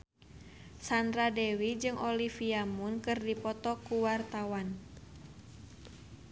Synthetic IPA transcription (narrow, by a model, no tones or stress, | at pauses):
sand̪ɾadɛwid͡ʒɨŋʔɔlifiamunkɨrdipɔt̪ɔkuwart̪awan